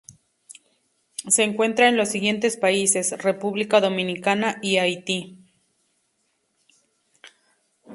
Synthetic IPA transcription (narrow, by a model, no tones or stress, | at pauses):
se̞ːŋkwe̞nt̪ɾaenlo̞sːiɣje̞nt̪e̞spaise̞sre̞puβlikaðo̞mĩnikanaʔiajt̪i